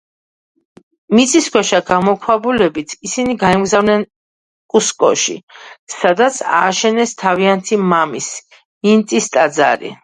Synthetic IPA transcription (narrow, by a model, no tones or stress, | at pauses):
mit̪sʼiskʰwɛʃaɡamɔkʰwabulɛbit̪ʰisiniɡaɛmɡzavnɛn | kʼuskʼɔ̰ʃḭsad̪at̪sʰa̰ːʃɛnɛst̪ʰaviant̪ʰimamis | nint̪ʼist̪ʼad̪za̰ɾḭ